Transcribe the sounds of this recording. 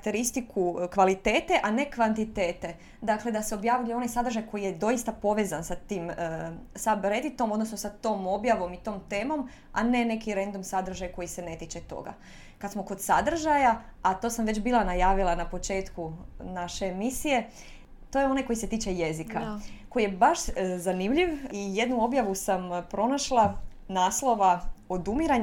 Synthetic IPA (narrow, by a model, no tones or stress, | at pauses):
k̚t̪eɾist̪ikʰukʋalit̪e̞ːt̪e̞ʔane̞kʋant̪it̪e̞ːt̪e̞ | d̪akle̞d̪aseo̞bjaːʋʎʲujeo̞nasad̪r̩ʒajkojijed̪o̞jist̪apo̞ʋe̞zansat̪iːm | sabɾe̞d̪it̪o̞mo̞d̪nosnosat̪o̞ːmo̞bjaʋo̞mit̪o̞ːmt̪e̞ːmo̞m | a̰ne̞ne̞kiɾe̞nd̪omsad̪r̩ʒajko̞jise̞ne̞t̪it͡ʃe̞t̪o̞̰ɡa̰ | kad̪smo̞ko̞d̪̥sad̪r̩ʒajaat̪osamʋe̞t͡ɕbiːlˠanajaːʋilˠanapo̞t͡ʃe̞ːt̪kunaʃeːmisije̞ | t̪o̞jeo̞najko̞jise̞t̪iːt͡ʃeje̞zikako̞jjebaʃzanimʎiʋije̞d̪nuo̞bjaʋusampɾo̞naʃlˠa | naːslˠo̞ʋao̞d̪umiɾaɲ